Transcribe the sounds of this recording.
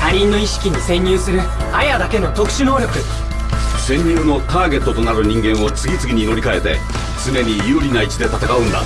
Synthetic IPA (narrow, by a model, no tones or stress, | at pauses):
aɾʲĩnːo̞iɕi̥kʲiɲ̟isẽ̞ɲ̟ːɨːsɨɾɯ̟ | ajad̪ake̞no̞t̪o̞kɯ̟̥ɕino̞ːɾʲo̞kɯ̟ | sẽ̞ɲ̟ːɨːno̞t̪aːɡe̞t̪ːo̞t̪o̞naɾɯ̟ɲ̟ĩŋɡẽ̞ɰ̃o̞t͡sɨɡʲit͡sɨɡʲiɲ̟iːno̞ɾʲikae̞t̪e̞̰ | t͡sɨne̞ɲ̟ijɯːɾʲinait͡ɕid̪e̞t̪at̪akaɯ̟̃nd̪a̰